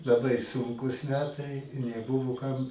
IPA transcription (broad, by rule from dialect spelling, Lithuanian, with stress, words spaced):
lˠɐˈbɐɪ ˈsʊŋkuːs ˈmʲæːtɐɪ ɪ nʲɛˈbʊʋoː kɐm